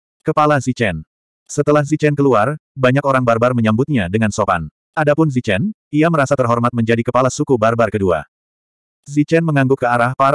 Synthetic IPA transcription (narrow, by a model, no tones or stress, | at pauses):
kəpalazit͡ʃɛn | sət̪əlahzit͡ʃɛnkəluarbaɲakoɾaŋbarbarməɲambʊt̪̚ɲadəŋansoka̰n | adapʊnzit͡ʃɛniaməɾasat̪ərɦɔrmat̪̚məɲd͡ʒadikəpalasukubarbarkədua̰ | zit͡ʃɛnməŋaŋɡukəaɾahpaɾ